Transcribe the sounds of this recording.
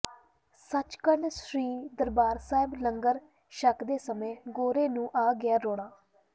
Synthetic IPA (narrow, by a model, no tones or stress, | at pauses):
sət͡ʃkəɾɳsɾiːd̪əɾbaːɾsaːɪbləŋɡəɾ | ʃəkd̪eːsəmẽːɡoːɾeːnũːʔaːɡɪaːɾoːɳaː